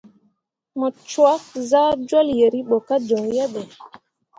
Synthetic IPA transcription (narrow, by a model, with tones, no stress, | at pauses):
mɔ˨t͡ʃwa˦kza˦d͡ʒwɔ˦lje˨ɾi˦ɓɔ˨ka˦d͡ʒɔ˨wjɛ˦ɓɛ˨